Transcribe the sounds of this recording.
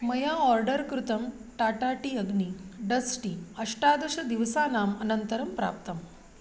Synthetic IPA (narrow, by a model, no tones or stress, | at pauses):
mɐjaɔɾɖəɾkɾut̪ɐmʈaːʈaʈiəɡniɖəsʈiɐʂʈad̪uʂɐd̪iʋsaːnaːmɐnənt̪əɾɐmpɾa̰ːp̚t̪ɐm